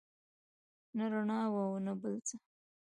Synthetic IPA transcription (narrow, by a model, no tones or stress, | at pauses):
naɾaɳɑwawnabəlt͡sa